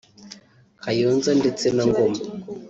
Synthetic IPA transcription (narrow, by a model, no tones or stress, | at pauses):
kajoːnzandet͡senaŋɡoma